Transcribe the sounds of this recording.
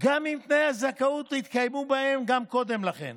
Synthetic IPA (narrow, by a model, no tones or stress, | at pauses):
ɡamːimpne̞jhazakaut̪it̪kajmubahe̞mɡamko̞d̪e̞mlaχe̞̰n